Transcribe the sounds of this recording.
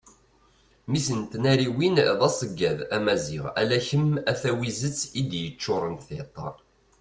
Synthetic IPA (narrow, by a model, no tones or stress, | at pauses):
misənt̪næɾiwinðˤɑsˤəɡːæðæmæzɪ̰ʁæ̰læçəmæθæwizət͡sːid̪jət͡ʃːʊɾˤənθɪt̪ˤːɑ̰